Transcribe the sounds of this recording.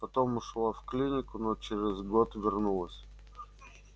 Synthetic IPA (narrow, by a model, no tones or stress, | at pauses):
pɐt̪o̞mʊʂlˠafklʲinʲɪkʊnot͡ɕɪɾʲɪzɡot̪vʲɪrnulˠəsʲ